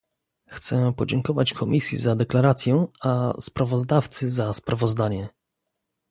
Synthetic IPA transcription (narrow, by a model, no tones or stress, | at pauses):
xt̪sɛpɔd͡ʑɛŋkɔvat͡ɕkʰɔmʲʔisʲjḭzad̪ɛklaɾat̪sʲjɛaspɾavɔzd̪aft̪sɘzaspɾʔavɔzd̪aɲɛ